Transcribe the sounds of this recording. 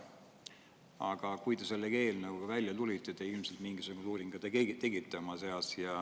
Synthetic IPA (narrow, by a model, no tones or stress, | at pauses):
ɑɡ̥ɑkujt̪e̞se̞lːeke̞ːlnɑɡ̥ukɑvælʲjɑt̪ulʲit̪ːˑe̞t̪e̞ilmse̞lt̪miŋɡisuɡ̥uluːɾiŋɡ̥ɑt̪t̪ːeɡit̪ːˑeomɑse̞ɑsjɑ